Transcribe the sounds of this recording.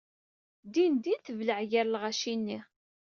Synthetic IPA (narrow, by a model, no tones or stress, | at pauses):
d̪ind̪inθəvləʕjæɾlʁæʃinːi